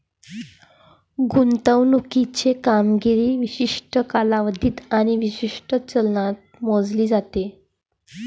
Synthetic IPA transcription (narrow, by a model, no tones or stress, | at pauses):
ɡunt̪əwnukit͡ɕekamɡiɾiːʋiɕiʂʈəkalaʋəd̪ʱiːt̪aɽ̃iʋiɕiʂʈət͡səlnat̪̚mod͡zliːd͡zat̪e